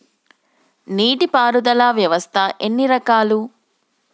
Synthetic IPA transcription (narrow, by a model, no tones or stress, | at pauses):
niːʈipaːɾud̪ɐlaːʋjɐʋɐst̪ʰɐʔenːiɾɐkaːlu